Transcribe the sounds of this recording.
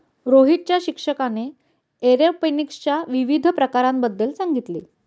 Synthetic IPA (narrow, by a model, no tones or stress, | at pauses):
ɾoɦiʈ̚t͡ɕjaɕikʂəkane | eɾepənikst͡ɕjaʋiʋid̪ʱpɾəkaɾambəd̪ːəlsaŋɡit̪liː